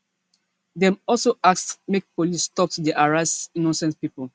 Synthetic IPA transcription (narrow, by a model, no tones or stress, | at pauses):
dɛ̃mɔlsoaksmek̚polisːtɔp̚tdeʔaɹasnɔ̃nsɛ̃nspipol